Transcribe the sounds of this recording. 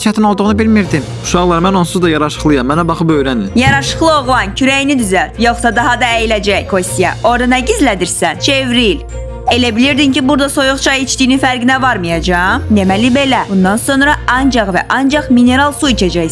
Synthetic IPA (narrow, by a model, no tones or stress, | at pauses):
t͡ʃʰæt̪ʰino̞lˠd̪uʁnɯbilmiɾd̪im | uʃɑʁlˠɑɾmænonsuzd̪ɑjɑɾɑʃɯ̥χlˠɯjɑmːænæbɑχɯpøjɾænijɑɾɑʃɯ̥χlˠɯo̞ʁlˠɑncʰyɾæjinid̪yzæljo̞χsɑd̪ɑɦɑd̪ɑæjilæd͡ʒæjkʰo̞sʲt̪ijɑo̞ɾd̪ɑnæɟizlæd̪iɾsænt͡ʃʰe̞vɾil | e̞læbiliɾd̪imcibuɾd̪ɑso̞juχt͡ʃʰɑjit͡ʃt̪ijninfæɾɡinævɑɾmɯjɑd͡ʒɑmnemælibe̞læbund̪ɑnso̞nɾɑʔɑnd͡ʒɑʁvæ̰ʔɑnd͡ʒɑχmine̞ɾɑlˠsuicʰæd͡ʒæj